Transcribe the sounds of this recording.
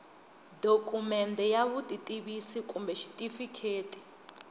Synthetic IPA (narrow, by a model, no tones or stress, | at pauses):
dokʼumɛndɛjaβutʼitʼiβisikʼumbɛʃi̥tʼifikʰeːtʼi̥